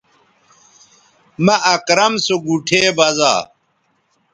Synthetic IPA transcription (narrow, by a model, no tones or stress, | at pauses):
mɐʔɐkɾɐmsoɡuʈʰeːbɐza̰ː